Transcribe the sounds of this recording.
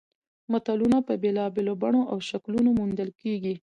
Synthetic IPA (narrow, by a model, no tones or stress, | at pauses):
mat̪alunapəbelɑbelobaɳoʔawʃaklunomund̪əlkeɡi